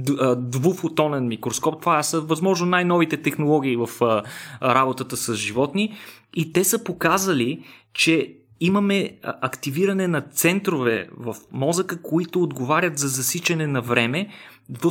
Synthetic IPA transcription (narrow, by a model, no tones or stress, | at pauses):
d̪vufot̪ɔnɛnmikɾoskɔp̚t̪vasəvɐzmɔʒnonajnɔvit̪ɛt̪ɛxnolˠɔɡ̟ʲiːvɐf | ɾabot̪ət̪əsɐzʒivɔt̪niit̪ɛsəpokazəlit͡ʃɛ | imɐmɛɐkt̪iviɾɐnɛnɐt̪sɛnt̪ɾovɛ̰vɐfmɔzəkəkoit̪ʊːd̪ɡovaɾʲət̪zɐzɐsit͡ʃɐnɛnɐvɾɛmɛ | d̪və